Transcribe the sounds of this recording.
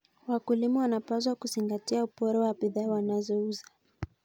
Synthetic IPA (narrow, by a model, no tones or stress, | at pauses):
wakulimɔwanapas̬wakuziŋɡatiaupɔɾɛwabiðaːwanazɔuza